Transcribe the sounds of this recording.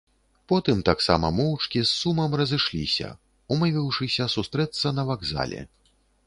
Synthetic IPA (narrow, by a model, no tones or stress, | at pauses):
pɔt̪ɨmt̪aksa̰mɐ̰mɔwt͡ʂkʲisːumɐmrɐzɨʂlʲḭsʲɐ̰ | umɨvʲiwʂɨsʲɐsust̪ɾɛt̪sːɐnɐvaɡza̰lʲɛ̰